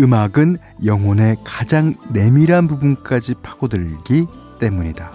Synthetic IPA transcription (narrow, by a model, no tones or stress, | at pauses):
ɯmaɡɯn | jʌŋone̞kad͡ʑaŋne̞miɾɦanbubunk͈ad͡ʑipʰḁɡodɯɭɡi | t͈e̞muɲida